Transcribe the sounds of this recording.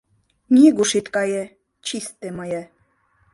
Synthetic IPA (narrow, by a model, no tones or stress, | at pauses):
nʲiɡuʃit̪kɑjɛ | t͡ɕʰist̪emajɛ